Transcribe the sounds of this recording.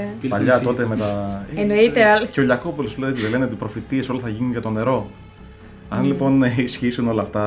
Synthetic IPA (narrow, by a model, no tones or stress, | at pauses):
pɐʎɐt̪o̞t̪emet̪ɐenoit̪eɐlsceoʎɐkopoloslet͡siðele̞neot̪ipɾo̞fit̪ie̞so̞lɐθɐʝinunʝɐt̪o̞ne̞ɾo̞ | ɐnlipo̞nisçisuno̞lɐːft̪ɐ